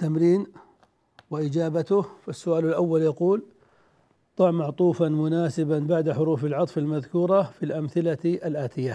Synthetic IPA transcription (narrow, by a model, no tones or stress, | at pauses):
t̪ːamɾiːn | wɪʔɪd͡ʒaːbat̪ʊhfasːʊʔaːlalʔawːaljɑquːl | t̪ˤɑʕmaʕt̪ˤuːfanmʊnaːsɪbanbaʕd̪aħʊɾuːfɪlʕɑt̪ˤfalmaðkuːɾˤɑfilʔamθɪlaʔalʔaːt̪ʰɪjːa